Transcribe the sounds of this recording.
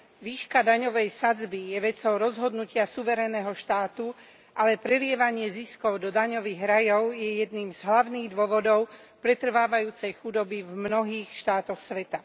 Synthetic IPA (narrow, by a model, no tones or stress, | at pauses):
ʋiːʃkad̪aɲɔʋɛjsad͡zbijɛʋɛt͡sɔʊɾɔzɦɔd̪nucɪasuʋɛɾɛnɛɦɔʃt̪aːt̪u | ʔalɛpɾɛlɪɛʋaɲɪɛziskɔʊd̪ɔd̪aɲɔʋiːɣɾajɔʊjɛjɛd̪niːmz̥ɦlaʊniːɣd̪ʊɔʋɔd̪ɔʊ | pɾɛt̪r̩ʋaːʋajuːt͡sɛjxud̪ɔbivmnɔɦiːxʃt̪aːt̪ɔxsʋɛt̪a